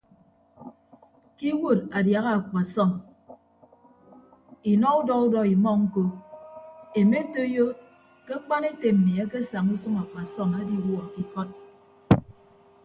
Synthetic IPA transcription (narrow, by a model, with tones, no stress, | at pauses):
ki˦wu˦˨ɾa˨dja˨ɣa˦a˨kʷa˨sɔ˦˨ŋ | i˨nɔ˦u˦dɔ˦u˦dɔ˦i˨mɔ˦ŋ̩˦ko˦ | e˨me˦to˦jo˦ | ke˦k͡pa˦ne˦te˨m̩˨mi˨a˦ke˦sa˨ŋu˦sɨ˦ŋa˨kʷa˨sɔ˦˨ŋa˦di˦wu˦a˨ki˦kɔ˦t̚